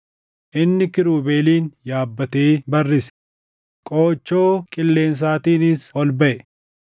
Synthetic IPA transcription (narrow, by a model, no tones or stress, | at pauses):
ʔɪnːɪkɪɾuːbe̞ːliːnjaːbːɐt̪eːbɐrːɪs | kʼoːt͡ʃːo̞ːkʼɪlːe̞ːns̬aːt̪iːnɪsɔlbɐʔɛ